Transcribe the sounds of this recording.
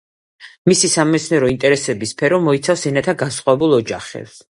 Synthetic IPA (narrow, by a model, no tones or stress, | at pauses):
misisamɔmɛt̪sʰnɛɾɔint̪ʼɛɾɛsɛbispʰɛɾɔmɔit̪sʰafsɛnat̪ʰaɡasχʼwavɛbulˠɔd͡ʒa̰χɛ̰ps